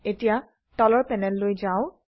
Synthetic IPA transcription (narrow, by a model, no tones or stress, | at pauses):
etija | tɔlɔɹpɛnɛlːojzaʊ̃